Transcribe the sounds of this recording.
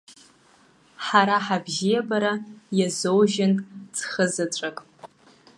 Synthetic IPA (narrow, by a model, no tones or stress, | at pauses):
ħaɾaħabʒijabaɾajazowʒɪnʼt͡sʰχəzɨt͡ʃʷʼakʼ